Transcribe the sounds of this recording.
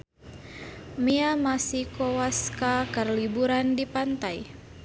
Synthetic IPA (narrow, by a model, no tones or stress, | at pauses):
miamasikowaskakərlibuɾandipant̪aj